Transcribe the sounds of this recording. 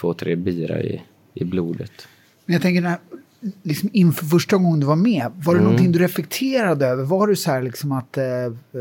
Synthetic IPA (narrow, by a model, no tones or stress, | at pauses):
t̪ʰvoːt̪ʰɾeːbiːɾa̰ɾɪ̰ | ʔɪbluːd̪ət̪ | mɛnjat̪ʰɛŋkəɖɛæ | lɪksɔmɪnfœɾfœʂʈaɡɔŋːənd̪ɵvaɾmeːvaɖɛnɔnt̪ɪŋd̪ɵɾɛflɛk̚t̪ʰeːɾad̪əøːvəɾvaɖɵsɔhæːɭɪksɔmat̪